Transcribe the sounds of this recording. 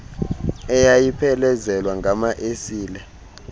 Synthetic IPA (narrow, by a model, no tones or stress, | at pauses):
ɛjajipʰɛlɛzɛlwaŋɡʱamaʔesiːlɛ